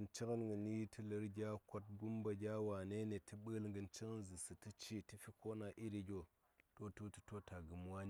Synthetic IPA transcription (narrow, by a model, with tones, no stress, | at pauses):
ɨ˨nt͡ʃi˦kə˦nɡɨ˨ni˦tʰɨ˦lɨ˨˦ɾɡʲa˦ko˦t̚ɡu˦mbɐ˨ɡʲa˦wa˨ne˦ne˨tɨ˦ɓə˦lŋɡɨ˧nt͡ʃi˦ŋ˦nzɨ˨sɨ˨tɨ˦t͡ʃi˦ti˦fi˦ko˦na˨ʔi˦ɾi˧ɡʲo˨ | to˦tu˦tu̥˦to˦ta˨ɡɨ˨mwa˦n˦